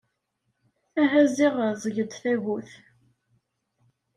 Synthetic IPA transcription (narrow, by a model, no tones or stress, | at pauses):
æɦæziʁzˤəʝəd̪θæʝuθ